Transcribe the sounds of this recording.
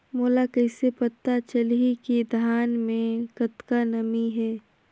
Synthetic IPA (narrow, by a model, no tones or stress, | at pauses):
moːlakəɪsepət̪ːat͡ʃəlɦikid̪ʱaːnmẽkət̪kanəmiɦɛː